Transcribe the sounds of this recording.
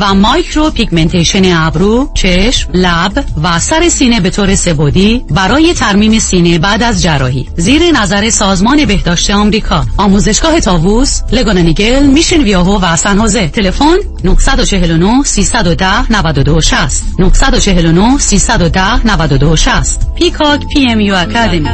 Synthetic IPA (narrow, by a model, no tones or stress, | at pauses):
væmɒːjcʰɾopʰiɡment̪ʰejʃeneæbɾuːt͡ʃʰeʃmlæbvæsæɾe̞siːne̞be̞t̪ʰoːɾe̞se̞voːd̪ibæɾɒːje̞t̪ʰæɾmiːmesiːne̞bæːd̪æzd͡ʒærːɒ̰ːhḭːziːɾe̞næzæɾe̞sɒːzmɒːne̞be̞hd̪ɒːʃt̪e̞ɒːmɾiːkʰɒɒːmuːze̞ʃɡ̥ɒːɦe̞t̪ʰɒːvusle̞ɡonaniɟelmiːʃenvijɒːɦovæsænhoːze̞t̪ʰe̞le̞fonːohsæd̪o̞t͡ʃʰe̞ɦe̞lonohsiːsæd̪od̪æhnævæd̪od̪oʃæst̪nohsæd̪o̞t͡ʃʰe̞ɦe̞lonohsiːsæd̪od̪æhnævæd̪od̪oʃæst̪pʰikʰɒkʰpʰiemjuækʰad̪emi